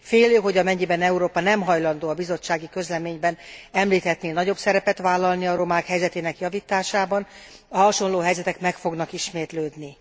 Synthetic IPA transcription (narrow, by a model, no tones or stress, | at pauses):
feːløːɦo̞ɟɒmɛɲːibɛnɛuɾoːpɒnɛmɦɒjlɒnd̪oːɒbizo̞t͡ʃːaːɡikø̞zlɛmeːɲbɛnɛmliːt̪hɛt̪neːnɒɟo̞bsɛɾɛpɛt̪ʋaːlːɒlniɒɾo̞maːkɦɛjzɛt̪eːnɛkjɒvit̪aːʃaːbɒn | ɒɦɒʃo̞nloːɦɛjzɛt̪ɛkmɛkfo̞ɡnɒkiʃmeːt̪løːd̪ni